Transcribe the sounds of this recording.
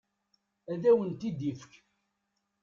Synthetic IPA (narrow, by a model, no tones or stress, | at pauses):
æðæwənt̪id̪ifə̥k